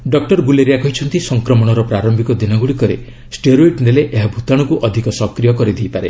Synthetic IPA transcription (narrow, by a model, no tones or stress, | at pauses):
ɖɔk̚ʈɔɾɡuleɾijakɔɦit͡ʃʰɔnt̪isɔŋkɾɔmɔɽ̃ɔɾɔpɾaɾɔmbʱikɔd̪inɔɡuɽikɔɾḛ | sʈeɾoiʈneleʔeɦabʱut̪aɽ̃ɔkuʔɔd̪ʱikɔsɔkɾijɔkɔɾid̪ʱejpaɾḛ